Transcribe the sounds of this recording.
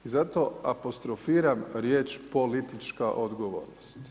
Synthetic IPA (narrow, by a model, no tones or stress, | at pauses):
izat̪oapo̞st̪ɾofiːɾamɾje̞ːt͡ʃpo̞lit̪it͡ʃkaʔod̪ɡoʋo̰ːɾnost̪